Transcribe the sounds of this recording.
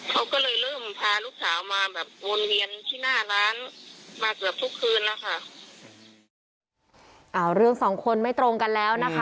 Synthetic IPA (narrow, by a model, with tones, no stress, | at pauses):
kʰa˦˥wkɔː˥˩lɤː˧jlɤː˥˩mpʰaː˧luː˥˩k̚saː˩˦wmaː˧bɛː˨˩p̚wo˧nwi˧ənt̪ʰiː˥˩naː˥˩laː˦˥nmaː˧kɯ˨˩əp̚t̪ʰu˦˥kʰːɯː˧nːa˦˥kʰa˥˩ʔ | ʔaː˧˩ɾɯ˥˩əŋsɔː˩˦ŋkʰo˧nma˥˩jt̪ɾo˧ŋka˧nlɛː˦˥wna˦˥kʰa˦˥